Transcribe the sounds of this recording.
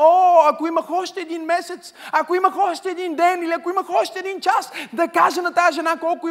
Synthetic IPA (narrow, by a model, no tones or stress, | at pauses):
oɐkoiməxɔʃt̪ɛːd̪inmɛsɛt̪sɐkoimɐxɔʃt̪ɛːd̪ind̪ɛniliɐkoiməxɔʃt̪ɛːd̪int͡ʃasd̪ɐkaʒənɐt̪aəʒɛnakɔlˠkʊi